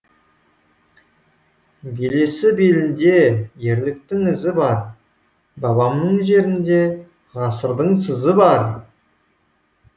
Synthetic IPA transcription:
bele̞sɪbelɪnd̪e̞je̞ɾlɪkt̪ɪŋɪzɪbɑɾ | bɑbɑmnəɴʒe̞ɾɪnd̪e̞ | ʁɑsəɾd̪əɴs̬əzəbɑɾ

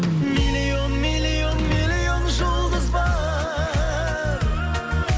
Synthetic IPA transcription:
milionmilionmilionʒolˠd̪əzbɑ | ɾ

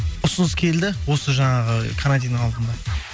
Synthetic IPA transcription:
ʊsənəskʲʰe̞lld̪ɪwo̞səʒɑɴɑʁəkʰanad̪ʲijnəɴɑlˠd̪ənd̪ɑ

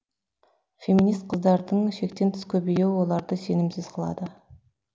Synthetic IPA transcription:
fʲe̞mʲinijst̪̚qʰəzd̪ɑɾd̪əɴʃe̞k̚t̪e̞nt̪ʰɪ̥skʲʰɵbejewwo̞lˠɑɾd̪əse̞nɪmsɪz̥qʰəlˠɑ̰d̪ə

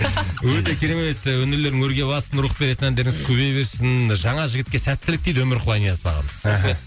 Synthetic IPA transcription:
wɵt̪e̞kʲʰe̞ɾe̞me̞t̪wɵne̞ɾle̞ɾd̪ɪŋwɵɾɡʲe̞bɑsənɾuχbe̞ɾe̞t̪ɪnænd̪eɾɪŋɪzkʲʰɵβe̞jbe̞ɾsɪnʒɑɴɑʒɪɡʲɪt̪̚kʲe̞sæt̪ːɪlɪk̚t̪ejd̪wɵmɪɾqʰʊlˠɑjnijɑsbɑʁɑ̰məz̥

